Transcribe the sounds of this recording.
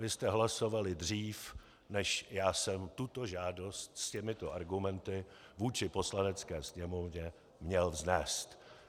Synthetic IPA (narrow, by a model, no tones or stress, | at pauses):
vɪst̪ɛɦlaso̞valɪdr̝iːf | nɛʃjaːsɛmt̪ut̪o̞ʒaːdo̞st̪scɛmɪt̪o̞ʔaɾɡumɛnt̪ɪ | vuːt͡ʃɪpo̞slanɛt͡skɛːsɲɛmovɲɛ | mɲɛlvznɛːst̪